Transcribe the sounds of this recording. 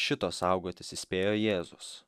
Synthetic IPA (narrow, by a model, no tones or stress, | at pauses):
ʃʲɪt̪oːsɐʊɡoːt̪ʲɪsɪsʲpʲeːjoːjeːzʊs